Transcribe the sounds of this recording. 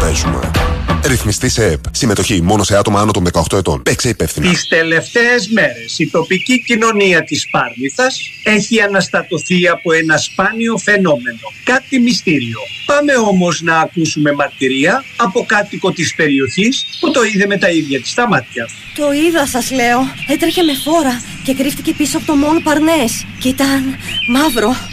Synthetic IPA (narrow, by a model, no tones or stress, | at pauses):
esumḛɾiθmist̪iseepsime̞t̪o̞çimo̞no̞seɐt̪o̞mɐɐnot̪onðekɐoxt̪o̞e̞t̪o̞̰npekseipefθinist̪e̞le̞ft̪e̞ezme̞ɾe̞sit̪o̞picicino̞niɐt̪ispɐɾmiθɐse̞çiɐnɐst̪ɐt̪o̞θiɐpo̞e̞nɐspɐnio̞fe̞no̞me̞no̞kɐt̪imist̪iɾio̞pɐme̞o̞mo̞znɐːkusume̞mɐɾt̪iɾiɐːpo̞kɐt̪iko̞t̪ispe̞ɾio̞çisput̪o̞iðe̞me̞t̪ɐiðʝɐt̪i̥st̪ɐmɐt̪çɐ | t̪o̞iðɐsɐzle̞o̞et̪ɾeçe̞me̞fo̞ɾɐ | cekɾift̪ice̞pisoɐpot̪omonopɐɾne̞scit̪ɐnmɐvɾo̞